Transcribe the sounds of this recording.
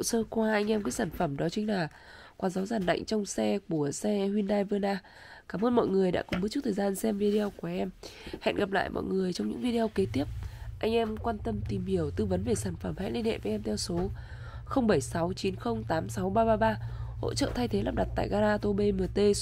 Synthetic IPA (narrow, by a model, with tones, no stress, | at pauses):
o̰˧˨səː˧kwaː˧ʔa˧jŋ̟ʔɛ˧mkaː˨˦jsaː˧˩nfə˧˩mɗɔ˨˦t͡ɕï˨˦ŋ̟laː˨˩ | kwaː˨˩zaː˨˦wzaː˨˩nɗa̰˧˨jŋ̟t͡ɕɔ˧wŋ͡msɛ˧ku˧˩əsɛ˧hwi˧nɗaː˧jvɨ˧ənaː˧ | kaː˨˦mʔəː˧nmɔ̰˧˨jŋɨ˨˩əjɗa̰ː˧˥kʊ˨˩ŋ͡mɓɨ˦˥t͡ɕt̪̚ʰːzaː˧nsɛ˧mvi˧ɗe˧ɔ˧wku˧˩əʔɛ˧mhɛ̰˧˨nɣa˨˩p̚la̰ː˧˨jmɔ̰˧˨jŋɨ˨˩əjt͡ɕɔ˧ŋ͡mɲɨ̰˧˥ŋvi˧ɗe˧ʔɔ˧wke˨˦t̪i˦˥əp̚ʔa˧jŋ̟ʔɛ˧mkwaː˧nt̪ə˧mt̪i˨˩mhi˧˩əwt̪ɨ˧və˨˦nve˨˩saː˧˩nfə˧˩mha̰˧˥nli˧nhḛ˧˨və˨˦ʔɛ˧mt̪ʰɛ˧wso˨˦ | xə˧wŋ͡mɓə˧˩jsa˨˦wt͡ɕi˨˦nxə˧wŋ͡mt̪aː˨˦msa˨˦wɓaː˧ɓaː˧ɓaː˧ho̰˧˥t͡ɕə̰ː˧˨t̪ʰa˧jt̪ʰe˨˦laː˨˩m̚ɗa˨˩t̚t̪a̰ː˧˨jɣaː˧naː˧t̪o˧ɓe˧mɨ˨˩t̪e˧